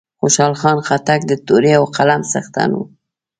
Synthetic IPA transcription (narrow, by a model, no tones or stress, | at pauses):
xoʃɑlxɑnxat̪ak̚d̪ət̪oɾeawqalamsa̰xt̪a̰nṵ